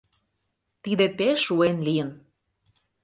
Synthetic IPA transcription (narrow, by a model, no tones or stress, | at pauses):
t̪id̪epeʃuenlijən